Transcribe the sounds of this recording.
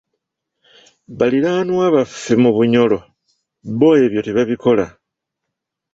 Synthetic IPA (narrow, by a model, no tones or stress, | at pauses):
βaliɾaːnwaːβaffimuβuɲo̞lo̞ | βo̞ːje̞ːβjo̞tiβaβiko̞la